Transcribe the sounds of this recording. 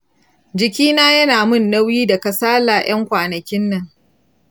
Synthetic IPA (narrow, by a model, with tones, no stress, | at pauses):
d͡ʒɪ˨kʲiː˦naː˦jɐ˦naː˨mʊ˦˨nːɐ˦wjiː˦dɐ˨kɐ˨saː˦laː˨j̰ʔɐ˦ŋkʷaː˨nɐ˨kʲɪ˦nːɐ˨ŋ